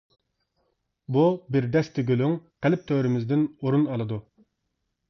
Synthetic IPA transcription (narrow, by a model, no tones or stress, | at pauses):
bubɪɾd̪ɛst̪ʰɪɡʲølyŋqɛlɪp̚t̪ʰøwɾɪmɪzd̪ɪnoɾunɑlˠɨd̪u